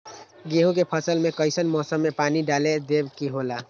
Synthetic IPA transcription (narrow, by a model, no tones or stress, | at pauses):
ɡeɦũk̬epʰəsəlmekəɪsənmɔsəmːepaniɖaled̪ebkiɦola